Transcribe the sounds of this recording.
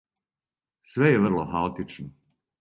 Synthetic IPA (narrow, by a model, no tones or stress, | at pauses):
sʋejeʋr̩lˠoxaot̪it͡ʃno